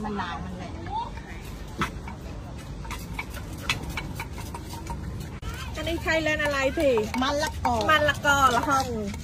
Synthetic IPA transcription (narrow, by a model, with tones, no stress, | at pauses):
ma˧˩nlaː˧˩jma˧˩nla˧˩˨ | ʔa˧niː˧˥˩kʰa˧˩jle˧˨nʔa˧ɾa˧jt̪ʰiː˧˩ma˧˥nla˧˩kːɔː˧˩ma˧˥nla˧kɔː˧˩la˧hɔ˧˩ŋ˨˩